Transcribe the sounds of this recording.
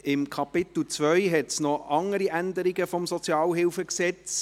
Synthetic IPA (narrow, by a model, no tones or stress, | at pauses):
ɪmkʰɑpɪt̪l̩t͡svœʏɦɛtsnɔɑŋəɾiʔænd̪əɾɪɡəfɔmsɔt͡sjɑːlɦɪlfəksɛt͡s